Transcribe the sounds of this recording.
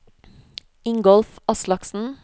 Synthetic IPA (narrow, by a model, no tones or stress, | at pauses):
ɪŋɡɔlfɑslɑksn̩